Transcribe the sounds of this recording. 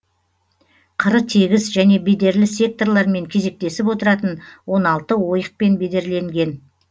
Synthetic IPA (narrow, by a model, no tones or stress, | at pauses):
qʰəɾət̪ʰe̞ɡʲɪzʒæne̞be̞d̪e̞ɾlɪsʲe̞k̚t̪o̞rlˠɑɾme̞ŋkʲʰe̞ze̞k̚t̪e̞sɪp̬wo̞t̪əɾɑt̪ənwo̞nɑlˠt̪əwo̞jəq̚pe̞nbe̞d̪e̞ɾle̞ŋɡʲe̞n